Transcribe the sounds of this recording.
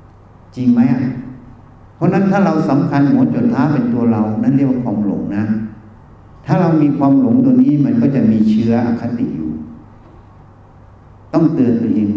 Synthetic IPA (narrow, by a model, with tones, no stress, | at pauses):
t͡ɕi˧ŋma˦˥jʔa˨˩ʔ | pʰɾɔ˦˥na˦˥nt̪ʰaː˥˩ɾa˧wsa˨˦mkʰa˧nmo˨˦n̚t͡ɕoː˨˩t̪ʰːaː˦˥˩pe˧nt̪u˧ɐɾa˧wna˥˩nli˥˩˨wa˥˩kʰwaː˧mlo̰˩˦ŋna˦˥ | t̪ʰaː˥˩ɾa˧wmiː˧kʰwaː˧mlo˨˩˦ŋdoː˧niː˦˥˩ma˧nkɔː˥˩t͡ɕa˨˩ʔmiː˧t͡ɕʰɯ˦˥ɐʔa̰˧˩kʰːa˦˥t̪ḭ˨ʔjuː˨˩ | t̪ɔ˥˩ŋt̪ɯ˨˩ənt̪ːu˧ʔeː˧ŋ